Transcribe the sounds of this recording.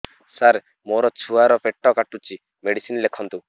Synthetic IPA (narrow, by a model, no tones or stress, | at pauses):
saɾ | moɾɔt͡ʃʰuaɾɔpeʈːɔkaʈut͡ʃʰi | meɽisinlekʰɔnt̪u